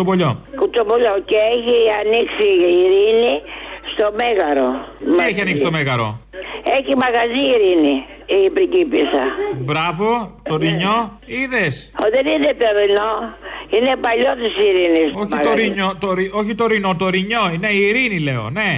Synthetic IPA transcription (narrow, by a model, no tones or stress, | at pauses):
opoʎo̞kut͡ʃopoʎoceeçiɐniksiːɾinist̪o̞me̞ɣɐɾoieçiɐniksit̪ome̞ɣɐɾo̞̰eçimɐɣɐziːɾini | ipɾicipisɐ̰bɾɐvo̞t̪oɾiɲo̞iðesoðeniðet̪oɾinoinepɐʎot̪isiɾinisoçioɾiɲot̪oɾioçit̪o̞ɾino̞t̪oɾiɲo̞ne̞iːɾinile̞o̞̰ne̞